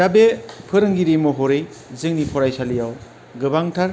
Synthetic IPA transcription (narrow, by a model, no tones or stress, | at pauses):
ɾabepʰɯɾɯŋɡiɾimɔɦɔɾej | zɯŋnipʰɔɾajsalijaw | ɡɯbaŋtʰaɾ